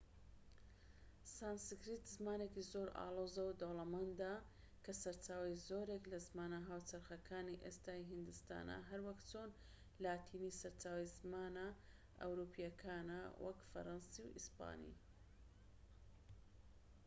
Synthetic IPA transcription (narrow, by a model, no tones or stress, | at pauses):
saːnsikɾit̪zmaːnekizoɾa̰ːlˠoːzɐwd̪olˠɐmand̪a | kʰɐsɐɾt͡ʃaːwizoːɾeklɐzmaːnaɦaːwt͡ʃɐɾxɐkʰaːniʔest̪aːjɦind̪ɨst̪a̰ːnɐ̰ɦɐɾwɐkt͡ʃon | laːt̪ʰiːnisɐɾt͡ʃaːwizmaːnɐ | ʔɐ̰wɾuːpijɐkʰaːnɐwʔɐ̰kfɐ̰ɾansiwʔḭspa̰ːnḭ